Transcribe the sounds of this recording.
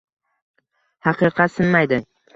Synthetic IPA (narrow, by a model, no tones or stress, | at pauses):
hɑqʰɨqʰɑt̪sɪnmajd̪ɪ